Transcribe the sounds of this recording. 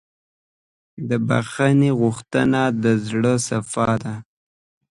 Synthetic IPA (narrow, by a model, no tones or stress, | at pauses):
d̪əba̰xaneɣuxt̪ənad̪əzɽəsafɑd̪a